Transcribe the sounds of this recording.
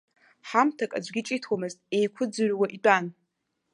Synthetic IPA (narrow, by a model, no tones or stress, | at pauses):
ħamtʰakʼa̰d͡ʒʷɡʲit͡ʃʼitʰwamɨztʼe̞jkʷʰʊd͡zɨʕwaʔit͡pʼan